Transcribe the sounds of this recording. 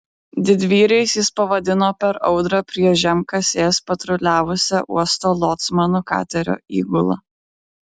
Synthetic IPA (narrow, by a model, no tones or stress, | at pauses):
d̪ʲɪd̪ʲʋʲiːɾʲɛɪsjɪspɐʋɐd̪ʲɪnoːpʲɛɾɒʊd̪ɾɐpʲɾʲiɛʒʲɛmkɐsʲeːspɐt̪ɾʊlʲæːʋʊsʲɛʔṵɔst̪oːlˠɔt̪smɐnukɑ̰ːt̪ʲɛɾʲo̰ːḭːɡʊlˠɐ̰